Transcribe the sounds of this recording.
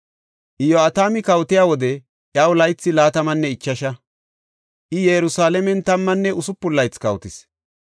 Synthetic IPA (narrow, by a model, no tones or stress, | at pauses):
ʔɪjoɐt̪aːmɪkɐwt̪ɪjaːwɔd̪ɛ | ʔjɐwlɐjt͡sːɪlaːt̪ɐmɐnːɛɪt͡ʃːɐʃɐ | ʔɪjɛɾʊsaːlɛmɛnt̪ɐmːɐnːɛʊsʊpːʊlːɐjt͡skɐwt̪ɪs